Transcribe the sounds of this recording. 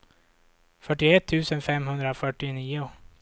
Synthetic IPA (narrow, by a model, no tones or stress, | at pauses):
fœʈːɪɛt̪ʰːʉ̟ːsənfɛmɦɵnd̪ɾafœʈːɪniːʊ